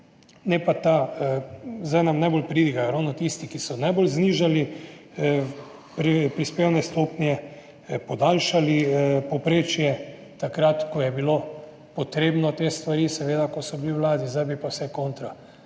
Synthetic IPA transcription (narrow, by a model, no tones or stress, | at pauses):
nɛpat̪a | zd̪ajnamnajbolpɾid̪iɡakɛɾɔːwnɔt̪ist̪ikisɔnajbolzniːʒali | pɾipɾispeːwnɛst̪oːpnjɛ | pɔd̪aːlʃalipɔpɾeːt͡ʃjɛ | t̪akɾat̪kɔjɛbilo | pɔt̪ɾeːbnɔt̪eːst̪ʋaɾiːsɛʋeːd̪akɔsɔbiliwlaːd̪izd̪ajbipawsɛkoːnt̪ɾa